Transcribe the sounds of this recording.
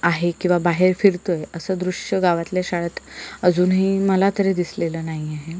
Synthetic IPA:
aɦekĩw̃ʋabaɦeɾfiɾt̪ojəsəːd̪ɾuʂjəɡaʋat̪ljaɕaɭət̪əd͡zuːnɦiːməlat̪əɾed̪isleləːnaɦiaɦe

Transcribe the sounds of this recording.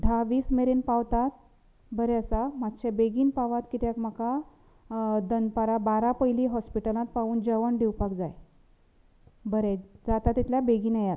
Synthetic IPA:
d̪ʱaʋiːsmeɾenpaʋt̪at̪ | bəɾɛəsamat̪ːɕabeɡiːnpaʋat̪kit̪jakm̤aka | d̪ənpaɾabaɾapəjliːɦɔspiʈəlãt̪̚paʋuːnd͡ʑəʋəɳɖiwpakd͡zaj | bəɾɛd͡zat̪at̪ːit̪ljabeɡiːnajat̪

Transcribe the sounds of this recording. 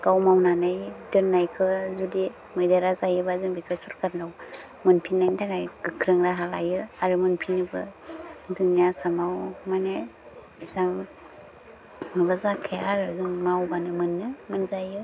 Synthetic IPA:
ɡ̥awmawnanajdɯnːajkʰɯzudi | mɯjdaɾazajɯbazɯŋbikʰɯsɔɾkaɾnaw | mɯnpʰinːajntʰaɡajɡɯkʰɾɯŋɾaɦalajɯaɾɯmɯnpʰinɯbɯ | zɯŋjasamawmane | isam | mɯbazakʰejaɾɯzɯŋmawbanɯmɯnːɯmɯnzajɯ

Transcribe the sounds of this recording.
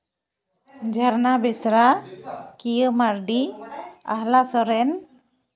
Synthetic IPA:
d͡ʒaɾnabɛsɾakijəmaɾɖia̰hlasɔɾɛn

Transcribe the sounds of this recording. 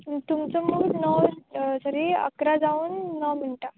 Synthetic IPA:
t̪umt͡sɔmuːnəsəɾiə̰kɾad͡zauːnːəm̤iɳʈa

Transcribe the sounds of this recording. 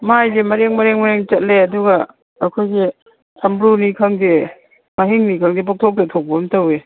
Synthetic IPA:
majdemɐɾeŋmɐɾeŋmaɾeŋt͡ʃɐt̚leɐduɡɐ | ɐkʰojɡe | sʰɐmbɾunikʰɐŋde | maɦiŋnikʰɐŋdebɔk̚tʰɔk̚detʰok̚bɐmtowe

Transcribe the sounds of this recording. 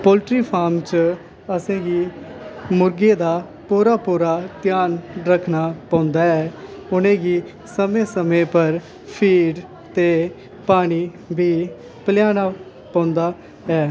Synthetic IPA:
poːlʈɾiːpʰaːɾmt͡ʃ | əsẽːɡiː | mʊɾɡeːd̪aː | puːɾaːpuːɾaːt̪jaːnɾəkʰnaːpãːʊ̃nd̪aːɛːʊnẽːɡiː | səmẽːsəmẽːpəɾ | pʰiːɖ | t̪eː | paːñiː | biː | pəlɪjaːnaː | pãːʊ̃nd̪aː | ɛː

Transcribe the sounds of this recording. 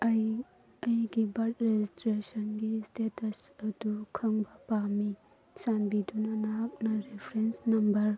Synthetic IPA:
ɐjɡibɐɾtɾed͡ʒistɾesɐnɡistʰetʰɐsɐdukʰɐŋbɐpami | sanbidunɐnaɦak̚nɐɾepʰɾensnɐmbɐɾ

